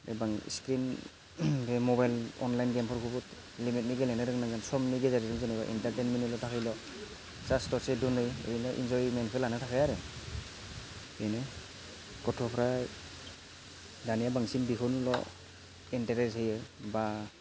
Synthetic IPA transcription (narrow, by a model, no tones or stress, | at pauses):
ḛbaŋ̰skɾin | ɡemɔbajlɔ̰nlajnɡempʰɔɾkʰubut | limit̚niɡelenɯɾɯŋnaŋɡansɔmniɡezaɾiɾɯŋzɯnajba̰ʔḭntaɾtenminɯlɔtʰakʰɯjlɔ | sastɔsedunɯjɯ̰jnɯʔḭnd͡ʒɔjmenkʰelanɯtʰakʰajaɾɯ | ɯjnɯ | kɔtʰɔpʰɾa | danijabaŋsinbiɦunlɔ̰ | inteɾezɯjɯba